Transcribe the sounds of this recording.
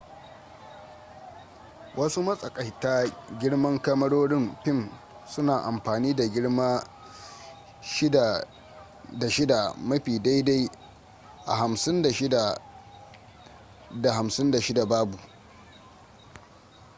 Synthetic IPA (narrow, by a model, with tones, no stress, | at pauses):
wʔɐ˦su˦mɐ˦sʼɐ˨kʼɐ˨jta˦ɡʲɪ˦ɽmɐ˦ŋkɐ˦mɐ˦ɽoː˦ɽɪ˦˨mɸɪ˦˨m | sʊ˦naː˨ʔa˨mɸaː˨niː˦da˨ɡʲɪ˦ɽmaː˦ | ʃɪ˦˨ | da˨ʃɪ˦da˨mɐ˦ɸiː˨da˦jda˦j | ʔa̰˨ɦa˨msɪ˦nda˨ʃɪ˦da˨ | da˨ɦa˨msɪ˦nda˨ʃɪ˦da˨baː˦bu˨